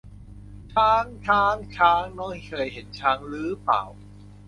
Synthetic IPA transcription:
t͡ɕʰaː˦˥ŋt͡ɕʰaː˧˥ŋt͡ɕʰaː˧˥ŋnɔː˦˥˩ŋ˦˨˩kʰɤː˧jɦe˩˦nt͡ɕʰaː˧ŋlɯː˦˥pa̰ː˨˩w

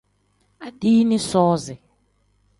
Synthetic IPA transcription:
a˨diː˦nɪ̃˦sɔː˦zɪ˨

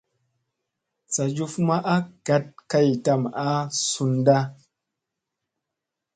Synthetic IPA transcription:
t͡sa˨d͡ʒu˧fma˦ʔa˦ɡ̥a˨t̚ka˦jta˨ma˦su˨nda˦

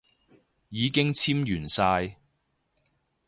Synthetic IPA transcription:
jiː˨˧kɪ˥ŋt͡sʰiː˥mjyː˨˩nsaː˧j

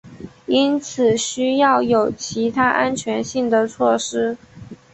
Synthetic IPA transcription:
i˥nt͡sʰɹ̩˨˩ɕy˥jɑ˥˩ʊjo˨˩ʊt͡ɕʰi˧˥t̪ʰa˥ʔa˥nt͡ɕʰɥɛ˧˥nɕi˥˩ŋd̪ə˩t͡sʰwɔ˥˩ʂɻ̩˥

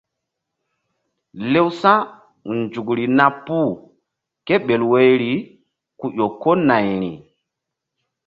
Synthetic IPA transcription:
le˦wsã˦ | nd͡ʒu˨kɾi˨na˦pːu˦˨ | ke˦ɓe˨lwe˦jɾi˨ | ku˨ʔo˨ko˦na˨jɾḭ˨

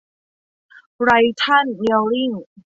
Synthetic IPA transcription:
ɾa˧jt̪ʰa˥˩nwi˧əwli˥˩ŋ

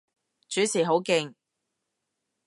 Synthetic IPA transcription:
t͡ʃyː˨˥siː˨˩ɦo˨˥wkɪ˧ŋ

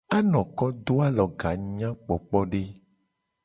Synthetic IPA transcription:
a˦nɔ̃˨kɔ˦d̪o˦a˦lɔ˨ɡa˨ɲã˦k͡pɔ˨k͡pɔ˦ɖe˦

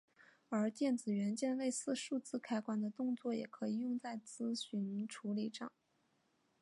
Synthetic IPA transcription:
ə˞˧˥t̪jɛ˥˩nt͡sɹ̩˨˩ɥɛ˧˥nt͡ɕjɛ˥˧nle˥˧ɪsɹ̩˥˧ʂu˥˧t͡sɹ̩˥˧kʰa˥ɪkwa˥nd̪ə˨t̪ʊ˥˧ŋt͡swɔ˥˩jɛ̰˨˩kʰɤ˧˥i˨˩jʊ˥˧ŋt͡sa˥˩ɪt͡sɹ̩˥ɕy˧˥nʈ͡ʂʰu˧˥li˨˩ʈ͡ʂɑ̰˥˩˦ŋ

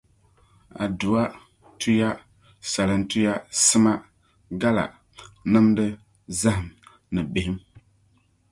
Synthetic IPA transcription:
a̰˨du˨a˦ | tʰu˦ja˦ | sa˨lɨ˨ntu˦ja˦sɨ˦ma˦ | ɡa˦la̰˨ | nɨ˦mdɨ˦ | za˦ɦɨ˨m | nɨ˨bɪ˨hɪ˦m

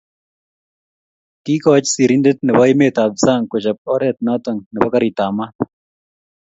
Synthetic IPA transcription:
ki˦kɔ˦t͡ʃsi˨ɾi˦nde˦t̪̚nɛ˨bɔ˦ɪ˦me˦t̪a˨b̚sa˦˨ŋkʊ˨t͡ʃa˨p̚ɔ˦ɾɛ˦˨t̪̚nɔ˦t̪ɔ˨ŋnɛ˨bɔ˦ka˦ɾi˨ta˨ma˦t̪

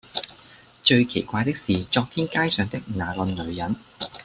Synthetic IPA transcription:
t͡ʃɵ˧ɥkʰe˨˩jkʷaː˧jt̪ɪ˥k̚siː˨˩t͡ʃɔː˧k̚t̪ʰiː˥nkaː˥jsœː˨˧ŋt̪ɪ˥k̚naː˨˩lə˧nlɵ˨˧ɥjɐ˨˥n

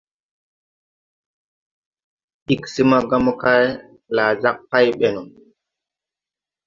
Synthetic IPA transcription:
ɗi˦˨ksi˦ma˦ɡa˦m˦ka˦j | la˨d͡ʒa˦k̚pa˦jɓe˦no˨

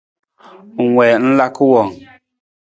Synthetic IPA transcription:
ŋ̩˨wɛː˨n̩˦la˦kɨ˦wɔ˨ŋ

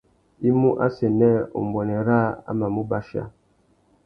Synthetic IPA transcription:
i˦mu˦ʔa̰˦se˨nɛ˦o̰˨mbwɔ˨nɛ˨ɾa˦a̰˦ma˨mu˦ba˦ʃa̰˦˨

